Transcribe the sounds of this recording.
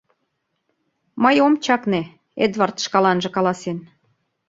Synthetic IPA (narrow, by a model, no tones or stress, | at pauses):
mɤjomt͡ɕɑkne | ed̪vɑrt̪ʃkɑlɑnʒɤ̆kɑlɑsen